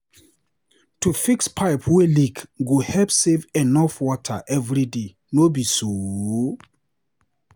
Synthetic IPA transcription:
tʰufikspʰaɪpʰwɛlikɡohɛpsevɛnɔfwɔtʰa̰ʔɛvɹide | nobiso

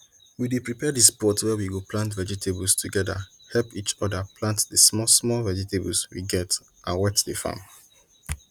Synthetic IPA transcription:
widepɹipɛdispɔtwɛwiɡoplãntvɛd͡ʒitʰebɔstʰuɡɛda̰ | hɛlpit͡ʃɔdaplãntdəsmɔsmɔlvɛd͡ʒitebɔ̰lswḭɡɛt | ãnwɛtdefã̰m

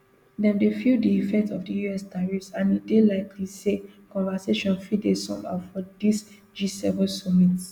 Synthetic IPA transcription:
dɛ̃mdefildiifɛk̚tɔfdəjuɛsdaɹifsãnidelaɪkʰlisekɔ̃nvaseʃɔ̃nfɹidesɔ̰̃ma̰fɔdis | d͡ʒisɛvɛ̃nsɔmit

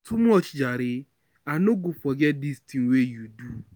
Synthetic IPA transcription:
tʊmũɔt͡ʃi̥d͡ʒaɾɪ | anoɡufɔɡɛdistĩnwejudu

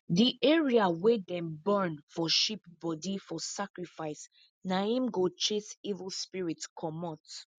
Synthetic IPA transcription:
diʔɛɹiawɛdɛ̃mbɛ̃nfɔʃip̚bɔdifɔsakɹifaɪs | naĩmɡot͡ʃesivəlspiɹitkʰɔmɔt

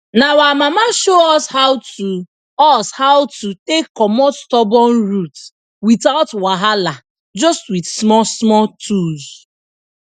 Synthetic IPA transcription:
nawamamaʃoɔshaʊtu | ɔshaʊtutekːɔmɔstɔbɔnɹut | witaʊtwaɦala | d͡ʒɔstwidsmɔsmɔtuz

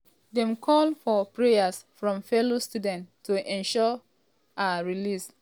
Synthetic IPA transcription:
dɛ̃mkʰɔlfɔpɹejasfɹɔ̃mfɛlostudɛ̃nʰːuʔɛ̃nʃɔ | aɹilis

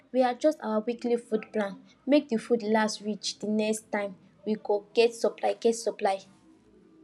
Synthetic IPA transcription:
wiad͡ʒɔsta̰wawiklifudplãn | mek̚difudlastɹit͡ʃdinɛkstãɪ̃m | wiɡoɡ̥ɛtsɔplaɪɡɛtsɔplaɪ

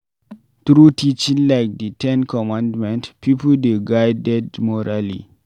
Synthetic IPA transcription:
t̪ɾutit͡ʃĩnlajk̚ditɛ̃nkʰɔmãndmɛ̃ntpipuldeɡajdɛdmɔɾalḭ

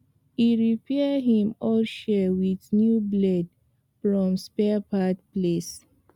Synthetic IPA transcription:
iɹipʰɛadɦĩmɔlʃɛwidnjublɛd | fɹɔ̃mspɛapatples

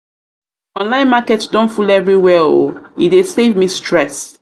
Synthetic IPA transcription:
ɔ̃nlãɪ̃nmakɛtsdɔ̃nfulɛvɹiwɛo̰idesevmistʰɹɛs

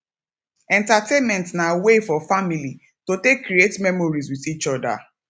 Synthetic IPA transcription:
ɛ̃ntatenmɛ̃ntnawefɔfamili | totekːɾietmɛmɔɹiz̬wiθit͡ʃɔda̰

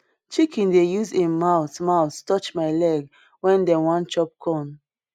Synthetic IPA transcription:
t͡ʃikĩndejuzĩmaʊtmaʊstɔt͡ʃmaɪlɛɡ | wɛ̃ndɛwãnt͡ʃɔp̚kʰɔ̃n

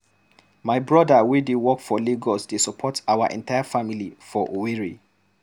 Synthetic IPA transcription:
maɪbɹɔdawidewɔkfɔleɡɔsdesɔpʰɔtawaʔɛ̰̃ntaɪafamilifɔʔoweɹi

